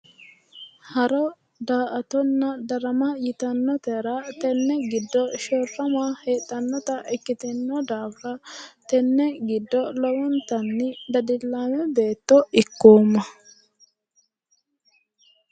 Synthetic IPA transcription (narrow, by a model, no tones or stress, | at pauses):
hɐɾɔ | d̪aːʔɐt̪ɔnːɐd̪ɐɾɐmɐjɪt̪ɐnːɔt̪ɛɾɐt̪ɛnːɛɡɪd̪ːɔʃɔrːɐmaheːt̪ʼːɐnːɔt̪ɐʔɛkːɪt̪ɛnːɔd̪aːfɾɐt̪ɛnːɛɡɪd̪ːɔlɔwɔnt̪ɐnːɪd̪ɐd̪ɪlːaːmɛbe̞ːt̪ːɔɪkːoːmːɐ